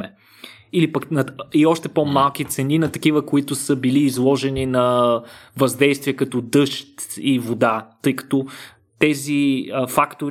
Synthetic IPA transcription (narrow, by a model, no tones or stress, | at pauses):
mɛ | ilipɐknɐiɔʃt̪ɛpomalˠk̟it̪sɛninɐt̪ɐkivəkoit̪ʊsəbiliːzlˠɔʒɛninɐ | vɐzd̪ɛjst̪viɛkɐt̪ɔd̪ɤʃt̪ivod̪at̪ɤjkɐ̥t̪ɔ | t̪ɛziəfakt̪oɾ